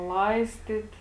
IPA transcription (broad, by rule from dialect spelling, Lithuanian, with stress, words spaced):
ˈlˠɐɪsʲtʲɪt